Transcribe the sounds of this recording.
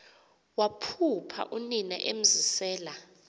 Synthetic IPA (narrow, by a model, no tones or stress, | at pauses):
wapʰupʰa̰ʔunina̰ʔem̩zisɛːla